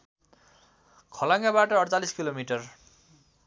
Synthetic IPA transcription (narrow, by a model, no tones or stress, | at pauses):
kʰʌlaŋɡabaʈʌːɽt͡saliskilomiʈʌr